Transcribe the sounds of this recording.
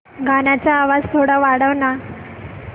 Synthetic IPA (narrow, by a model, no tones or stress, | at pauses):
ɡanat͡ɕaːʋad͡zt̪ʰoɽaʋaɽəʋna